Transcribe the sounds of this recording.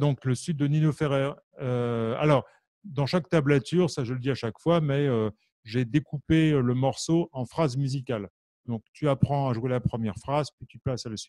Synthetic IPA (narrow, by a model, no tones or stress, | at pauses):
d̪ɔ̃kləsyd̪̚ːəninofeʁɛʁ | øa̰lɔːʁ | d̪ɑ̃ʃakt̪ablat̪yʁsaʒələd̪iaʃakfwamɛø | ʒed̪ekupeøləmɔʁsoɑ̃fχazmyzikal | d̪ɔ̃k̚t̪yapχɑ̃aʒwelapχəmjɛʁfχazpɥit̪yplasalasit̪